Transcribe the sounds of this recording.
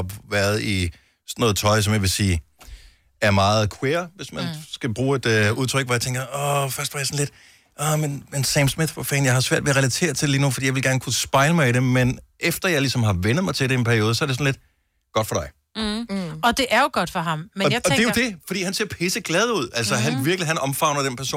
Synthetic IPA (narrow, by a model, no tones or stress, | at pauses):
ʋæɐðˠi | snːɔ̽ːð̩ˠt͡sʰɒ̽ɪs̬ɒ̽mjaʋe̝siː | æɐmɑ̈ːð̩ˠkʰwe̝ːɐʋe̝smænsɡ̥æb̥ʁuːe̝d̥øuð̞ˠt͡sʰʁœɡ̥ʋɒjat͡sʰeŋɡ̥ɐɒfɶɐsd̥ʋɑ̈jasɔn̩le̝d̥ | ʔɒmenmenseɪmsmið̥fɒfɛ̰ːnjɑ̈ɪhɑ̈sʋæɐ̰d̥ʋeʁɛlæt͡sʰe̝̰ːɐt͡sʰe̝deliːnufd̥ḭjɑaʋelɡ̥æɐnəkʰusb̥ɑ̈ɪləmɑ̈ɪiɾ̥emenʔefd̥ɐjɑ̈ɪlisɒ̽mɦɑ̈ʋenəð̞̩ˠmɑɪt͡sʰe̝lɾ̥eenpʰæɐio̝ːð̞ˠəsɒ̽æɐɾe̝sɒ̽nled̥ | ɡ̥ɒ̽d̥fɒ̽d̥ɑ̈ɪ | ɒ̽d̥e̝ʔæɐjoɡ̥ɒd̥fɒɦɑ̈mmeaɒd̥ejod̥e̝fɒ̽d̥ḭːhænseɐpʰeːsəɡ̥lɛð̞ˠəuð̞̰ˠælsɒɦænʋiɐɡ̥liɦænɒ̽mfɑ̈ʊnɐd̥enpʰæɐso̝̰ːn